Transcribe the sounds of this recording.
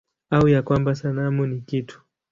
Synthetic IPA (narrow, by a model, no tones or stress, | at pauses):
aujakwambasanamunikitʰu̥